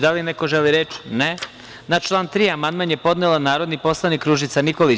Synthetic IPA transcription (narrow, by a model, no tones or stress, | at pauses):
d̪alineko̞ʒeliɾet͡ʃne | nat͡ʃlˠaːnt̪ɾiːamand̪manjepo̞d̪nelˠanaːɾod̪nipo̞slˠanikɾuːʒit̪sanikoli